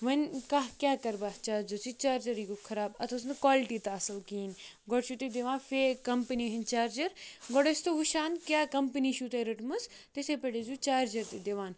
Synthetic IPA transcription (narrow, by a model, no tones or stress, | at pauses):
ʋɐnʲkaɦkʲjaːkɐɾbat͡ʃaːɾd͡ʒɐsit͡ʃaːɾd͡ʒɐɾiːɡokʰɐɾaːbɐ̰t̪ʰos̬nkwaːlʈiːt̪aːsɐlkiːn | ɡɔɽʃut̪ed̪eʋãːnfekɐmpəniɦɐnʲt͡ʃaːɾd͡ʒɐɾɡɔɽest̪oɦuʃaːnkʲjaːkɐmpəniːʃut̪eɾɐʈmɐs | t̪esepeɽezut͡ʃaːɾd͡ʒɐɾt̪id̪eʋaːn